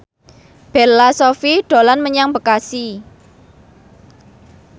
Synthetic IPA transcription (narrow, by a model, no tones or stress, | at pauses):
b̥ɛrlasofiɖ̥o̤lanməɲaŋbə̤kasi